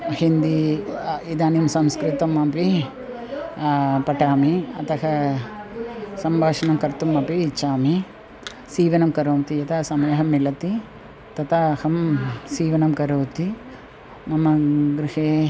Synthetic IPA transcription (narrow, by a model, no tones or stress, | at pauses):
hind̪i | id̪aːnimsɐmskɾit̪ɐmɐpi | pɐʈaːmiɐt̪ɐɦɐ | sɐmbʱaːʂɐnɐmkɐɾt̪umɐpiːt͡ʃːaːmi | siːʋɐnɐmkɐɾoːmt̪ijɐt̪ʰɐsɐmɐjɐɦɐmːilɐt̪i | t̪ɐt̪ʰaːhɐmsiːʋɐnɐmkɐɾoːt̪i | nɐmːɐɡɾiheː